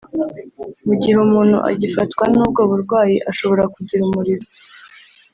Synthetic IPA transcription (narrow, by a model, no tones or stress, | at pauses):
muɟiɦumuːnhṵʔa̰ɟifatkwanub̚ɡoːβuɾɡwaːjiʔaʃo̞βo̞ɾakuɟiɾumuɾiɾa